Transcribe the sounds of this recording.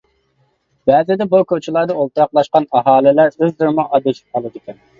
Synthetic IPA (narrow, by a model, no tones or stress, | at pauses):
b̥ɛːzɪd̪ɛbukʰʲot͡ʃʰɪlˠɑɾd̪ɑolˠt̪ɾɑqlˠɑʃqɑnɑɦɑːlɪlæɾøzd̪uɾmʊʔɑd̪eʃʰi̥p̚qɑlˠɨd̪ɪkʲɛn